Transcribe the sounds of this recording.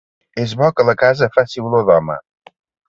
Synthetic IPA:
ezβɔkələkazəfasiuloðɔmə̰

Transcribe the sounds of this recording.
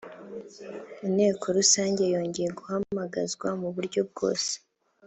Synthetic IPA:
ine̞ːkʰoɾusaːɲɟe̞jo̞ːɲɟejeɡuhamaɡazɡwamuβuɾɟo̞b̚ɡo̞ːse̥

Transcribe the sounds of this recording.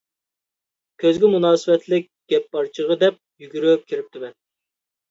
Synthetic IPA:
kʲʰøzɡʲɛmunɑːsɨwɛt̪ʰlɪk̚ʲɡ̥ʲɛpːɑɾt͡ʃʰəʁəd̪ɛp̚jyɡʲyɾyp̚kʲʰiɾɪp̚t̪ʰɪbɛ

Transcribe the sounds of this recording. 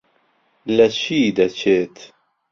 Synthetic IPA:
lɐt͡ɕʰiːd̪ɐt͡ɕʰeːt̪

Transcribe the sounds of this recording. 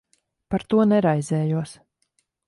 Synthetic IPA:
paɾt̪uɔnɛɾajzɛːjuɔs

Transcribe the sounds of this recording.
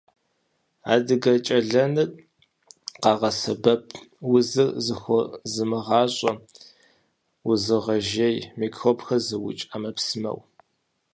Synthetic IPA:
a̰ːdɨɡɐt͡ʃʼɐɮɐnɨ | qɑːʁɐsɐbɐpʰwʊzɨzɨxʷɔzɨmɨʁɑːɕʼɐ | wʊzɨʁɐʒejmiːkʰxopxɐzɨwʊ̰t͡ʃʼamɐpsɨmɐ̰w

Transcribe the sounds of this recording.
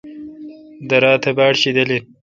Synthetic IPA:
d̪ɐɾɑːt̪ʰɐbaːɽɕid̪ɐli

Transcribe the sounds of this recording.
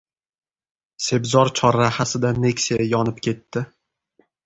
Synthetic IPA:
se̞bzɒɾt͡ʃʰɒɾːahasɪd̪ane̞kʲseajɒnɪpkʲʰe̞t̪ːɪ

